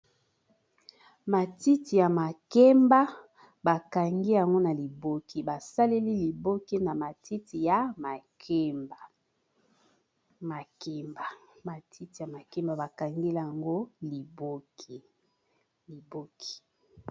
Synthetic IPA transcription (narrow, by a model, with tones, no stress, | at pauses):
ma˨ti˦ti˨ja˨ma˨ke˦mba˦ | ba˨ka˨ŋɡi˦ja˨ŋɡo˦na˨li˨bo˦kʰi˦ba˨sa˦le˦li˦li˨bo˦ki˦na˨ma˨ti˦ti˨ja˨˦ma˨ke˦mba˨ | ma˨ke˦mba˨ma˨tʰi˦ti˨ja˨ma˨ke˦mba˨ba˨ka˨ŋɡi˦la˦a˨ŋɡo˦li˨bo˦ki˨ | li˨bo˦kʰi̥˨